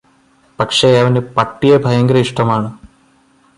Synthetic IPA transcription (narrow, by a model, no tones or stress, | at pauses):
pɐkʂeɐʋɐnepɐʈːijɐbʱɐjɐŋɡɐɾɐiʂʈɐmaːɳɨ